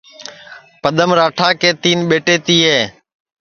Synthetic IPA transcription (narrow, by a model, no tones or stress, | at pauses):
pəɗ̪əmɾaːʈʰaːkeːt̪iːnɓeːʈeːt̪iːɦeː